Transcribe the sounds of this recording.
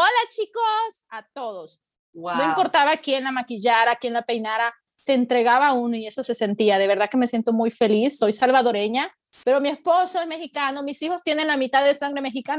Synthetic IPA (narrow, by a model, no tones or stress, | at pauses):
olat͡ʃikos | at̪o̞ðo̞s | wnoĩmpo̞ɾt̪aβakienlamakiʝaɾakienlape̞jnaɾa | se̞ːnt̪ɾe̞ɣaβaunoie̞so̞se̞se̞nt̪iað̞e̞βe̞ɾðake̞me̞sje̞nt̪o̞mujfe̞lisːo̞jsalβaðo̞ɾe̞ɲa | pe̞ɾo̞mie̞spo̞soezme̞xikano̞misixo̞st̪je̞ne̞nlamit̪aððesaŋɡɾe̞me̞xikan